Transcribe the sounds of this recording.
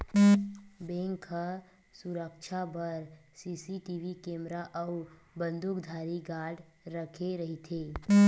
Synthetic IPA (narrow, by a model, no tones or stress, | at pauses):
bẽːŋkʰə | suɾəkt͡ʃʰabəɾsiːsiʈiʋikẽːmɾaʔəʊ | bə̃nd̪ukd̪ʱaːɾiɡaːɖ | ɾəkʰeɾəɦit̪ʰeː